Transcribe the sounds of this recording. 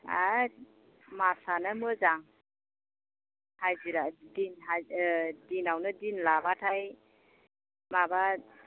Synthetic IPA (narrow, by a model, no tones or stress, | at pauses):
a̰ | masanamɯzaŋ | hajziɾadinɦadinawnɯdinlabatʰaj | maba